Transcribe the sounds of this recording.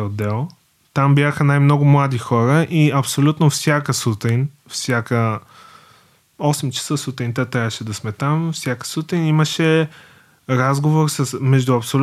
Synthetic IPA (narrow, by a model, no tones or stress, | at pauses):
od̪ːɛlˠ | t̪ambjaxənajmnɔɡʊmlˠad̪ixɔɾəʔiɐpsolʲut̪nofsʲjakəsut̪in | fsʲjakə | ɔsɛmt͡ʃɐ̥səsut̪int̪ət̪ɾʲavəʃɛd̪ɐsmɛt̪amfsʲjakə̥sut̪iniməʃɛ | ɾazɡovoɾsəsmɛʒd̪ʊɐpsolʲ